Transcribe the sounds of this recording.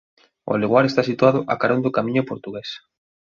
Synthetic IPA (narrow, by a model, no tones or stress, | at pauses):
ʊ̰aleɣwaɾest̪asit̪uaðʊʔakaɾond̪ʊkamĩɲʊpoɾt̪uɣes